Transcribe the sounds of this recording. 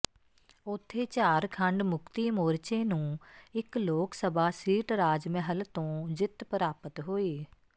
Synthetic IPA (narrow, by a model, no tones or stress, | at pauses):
ʊt̪ʰːeːt͡ʃaːɾkʰəɳɖmʊkt̪iːmoːɾt͡ʃeːnũːɪkloːksəbaːsiːʈɾaːd͡ʒmɛɦəlt̪õːd͡ʒɪt̪pəɾaːpət̪ɦoːiː